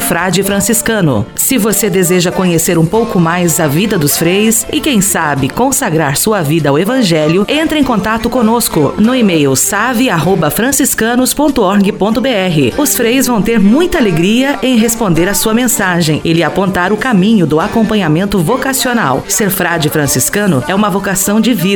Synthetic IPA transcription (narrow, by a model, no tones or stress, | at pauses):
fɾad͡ʒɪfɾɐ̃siskɐ̃nʊ̰ | sɪvosed̪ezeʒɐkõɲeseɾũpowkʊmajzɐvid̪ɐd̪ʊsfɾejʊsɪkẽj̃sabɪkõsaɡɾaɾsuɐvid̪ɐawevɐ̃ʒɛljʊẽnt̪ɾɐẽkõnt̪at̪ʊkõnoskʊnʊimejʊsavɪaɦobɐfɾɐ̃siskɐ̃nʊspõnt̪ʊɔɾɡɪpõnt̪ʊbeɛɦɪʊsfɾejʊzvɐ̃w̃t̪eɾmũj̃t̪ɐaleɡɾiɐʔẽj̃ɦespõnd̪eɾasuɐmẽsaʒẽj̃ɪlɪapõnt̪aɾʊkamĩɲʊd̪ʊakõmpɐ̃ɲamẽnt̪ʊvokasiona̰wseɾfɾad͡ʒɪfɾɐ̃siskɐ̃nʊ̰ɛũmɐvokasɐ̃w̃d͡ʒɪvid̪